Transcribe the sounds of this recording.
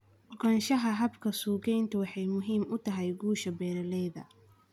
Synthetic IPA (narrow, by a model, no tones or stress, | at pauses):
ʔɔɡɐnʃɐɦɐɦɐbkʰɐsuːɡɛjnt̪ʰɐwɑħɑjmʊɦiːmʊt̪ʰɐɦɛjɡuːʃɐbɛːɾɐlɛjðɐ̰